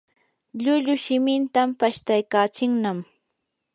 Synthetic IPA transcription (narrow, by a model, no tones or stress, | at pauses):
ʎʊʎʊʃɪmɪnt̪ampaʃt̪ajkaːt͡ʃɪŋnam